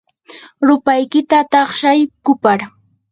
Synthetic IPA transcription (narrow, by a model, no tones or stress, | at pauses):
ɾʊpajkɪt̪at̪ɑχʃajkʊpaɾ